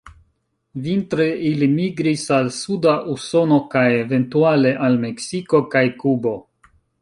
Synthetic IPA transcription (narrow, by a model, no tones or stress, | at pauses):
vint̪ɾeilimiɡɾisalsudaʔuso̞no̞kajeve̞ntuale̞ʔalme̞ksiko̞kajkubo̞